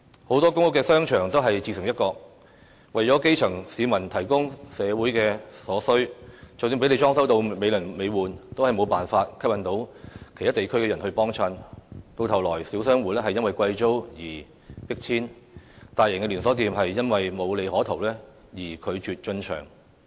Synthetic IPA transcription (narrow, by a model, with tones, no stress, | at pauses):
ho˨˥wt̪ɔː˥kʊ˥ŋkʊ˥kːɛː˧sœː˥ŋt͡ʃʰœː˨˩ŋt̪o˥wɦɐ˨jt͡ɕiː˧sɪ˨˩ŋjɐ˥t̚kɔː˧k̚ | wɐ˨jt͡ʃɔː˨˥ke˥jt͡ʃʰɐ˨˩ŋsiː˨˧mɐ˨˩nt̪ʰɐ˨˩jkʊ˥ŋsɛː˨˧wuː˨˥jkɛː˧sɔː˨˥sɵ˥ɥt͡sɐ˨wt̪i˨˥pe˥le˨˧jt͡ʃɔː˥ŋsɐ˥wt̪o˧wme˨˧jlɵ˨˩ŋme˨˧jwuː˨nt̪o˥whɐ˨jmo˨˧wpaː˨nfaː˧t̚kʰɐ˥p̚jɐ˧˥nt̪o˨˥wkʰe˨t̪ʰa˥t̪e˨˩jkʰɵ˥ɥkɛː˧jɐ˨˩nhɵ˧ɥpɔː˥ŋt͡ʃʰɐ˧nt̪o˧wt̪ʰɐ˨˩wlɔː˨˩jsiː˨˥wsœː˥ŋwuː˨˥lɛ˥hɐ˨jːɐ˥nwɐ˨jkʷɐ˧jt͡so˥wjiː˨˩ | pɪ˥k̚t͡sʰiː˥nt̪aː˨jɪ˨˩ŋkɛ˧lyː˨˩nsɔː˨˥t̪iː˨mɦɐ˨jːɐ˥nwɐ˨jmo˨˧wle˨˧jhɔː˨˥t̪ʰo˨˩wlɛː˥ | jiː˨˩kʰɵ˨˧ɥt͡ʃyː˨t̚t͡ʃɵ˧nt͡ʃʰœ̰ː˨˩ŋ